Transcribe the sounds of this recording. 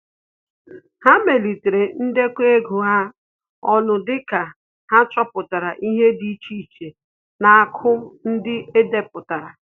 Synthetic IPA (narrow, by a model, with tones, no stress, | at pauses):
ha˦me˨li˨te˨ɾe˨n̩˦de˦kʷe˦ɡu˨ɦa˦ | ɔ˦nʊ˨dɪ˦ka˨ | ha˦t͡ʃɔ˦pʊ˨ta˨ɾa˨ʔi˦ɦe˦di˦t͡ʃi˦˨t͡ʃe˨ | na˨a˨kʰʊ˦n̩˦dɪ˦e˦de˨pʊ˨ta˨ɾa˨